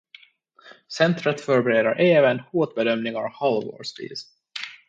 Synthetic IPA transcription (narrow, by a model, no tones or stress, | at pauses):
sɛnt̪ɾət̪fœɾbɛɾeːd̪aɾʔeːvənhoːt̪̚bɛd̪œmnɪŋaɾhalvo̰ːʂvḭːs